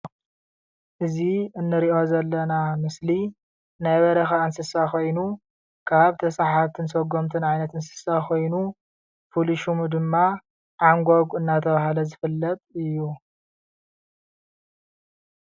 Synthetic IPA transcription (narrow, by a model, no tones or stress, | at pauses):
ʔɨziɨnːɨɾiʔo̞zɐlːɐnamɨsli | najβɐɾɐxaɨnsɨsakʰo̞jnu | kʰaβt̪ʰɐsaħaβt̪ʰɨnsɐɡo̞mt̪ʰɨnʕajnɐt̪ɨnsɨ̥sakʰo̞jnu | pʰuliʃumud̪ɨmːa | ʕaŋɡʷoɡɨnːat̪ʰɐβahlɐzɨfɨlːɐt̪ʼɨjːu